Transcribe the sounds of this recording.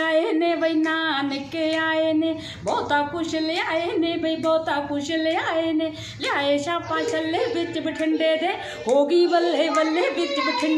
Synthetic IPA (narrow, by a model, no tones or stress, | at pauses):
aːeːneːbɐinaːnɪkːeaːeːne | bɔːt̪aːkʊʃɪleaːenẽːbɐibɔːt̪aːkʊʃɪleaːeːnẽː | laːeːʃãːpãːt͡ʃɐlːeːbɪt͡ʃ̪bɪʈʰɪɳɖeːd̪eː | ɦoːɡiːʋɐlːeːʋɐlːeːbɪt͡ʃbɪʈʰɪɳ